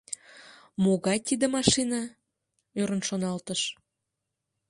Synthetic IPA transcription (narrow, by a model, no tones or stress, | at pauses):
moɣɑjt̪id̪ə̆mɑʃinɑ | øɾənʃonɑlt̪əʃ